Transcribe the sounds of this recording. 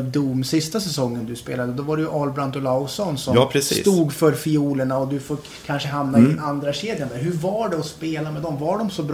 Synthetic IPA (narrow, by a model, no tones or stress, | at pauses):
ld̪umːsɪst̪asɛsɔŋːənd̪ɵspḛːlad̪əd̪ɔvaɾɛjɵʔɑːlbɾant̪ɔlasɔnsɔmpʰɾɛsisːt̪uːɡfœɾfɪuːləɳaɔd̪ɵfoː | kʰanʂəɦamnaɪand̪ɾaɕeːd̪janad̪æɾɦɵɾvaɖɛɔspeːlamɛd̪ɔmvaɖɔmsɔbɾ